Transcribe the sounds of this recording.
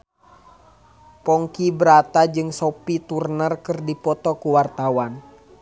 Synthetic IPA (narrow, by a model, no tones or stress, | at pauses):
pɔŋkibəɾat̪ad͡ʒɨŋsopit̪urnərkɨrdipɔt̪ɔkuwart̪awan